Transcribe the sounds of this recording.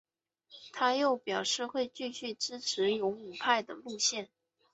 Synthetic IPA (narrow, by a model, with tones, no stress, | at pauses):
t̪ʰa˥jo˥˩ʊpjɑ˨˩ʊʂɻ̩˥˧xwe˥˧ɪt͡ɕy˥˧ɕy˥˩ʈ͡ʂɻ̩˥ʈ͡ʂʰɻ̩˧˥jʊ˧˥ŋu˨˩pʰa˥˩ɪd̪ə˩lu˥˧ɕjɛ˥˩n